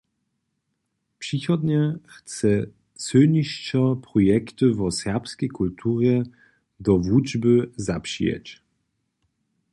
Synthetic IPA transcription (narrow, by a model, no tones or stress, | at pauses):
pʂixɔd̪ɲɛxt͡sɛ | t͡sɵɲiɕt͡ɕɔpɾɔjɛkt̪ɨvɔsɛʁpskʲɛjkult̪ʰuʒɛ | d̪ɔvud͡ʒbɘzapʂḭjɛ̰t͡ɕ